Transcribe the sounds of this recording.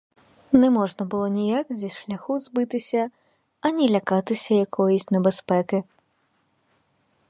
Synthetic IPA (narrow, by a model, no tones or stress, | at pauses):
nɛmɔʐnɐbɨlˠɔnʲijakzʲiʂlʲɐxuzbɨt̪ɪsʲɐ | ɐnʲilʲɐkat̪ɪsʲɐjɐkʰɔjisʲtʲnɛbɛspɛkɪ